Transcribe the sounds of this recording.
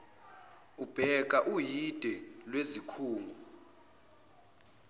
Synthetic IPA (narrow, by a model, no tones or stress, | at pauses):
ub̥ʱɛk̬ʼaʔujid̥ʱɛlwezikʰuːŋɡʱu